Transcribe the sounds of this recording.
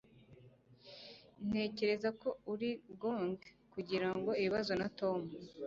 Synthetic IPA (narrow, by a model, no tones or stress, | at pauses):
n̥e̞ːce̞ɾe̞zako̞uɾiɡoŋɡ | kuɟiɾaŋɡo̞iβiβazo̞nato̞mu